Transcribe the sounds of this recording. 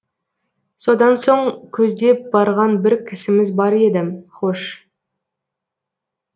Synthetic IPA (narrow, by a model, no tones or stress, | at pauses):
so̞d̪ɑnso̞ɴkʲʰɵzd̪e̞p̚bɑɾʁɑnbɪɾkʲʰɪsɪmɪzbɑɾe̞d̪ɪmχoʃ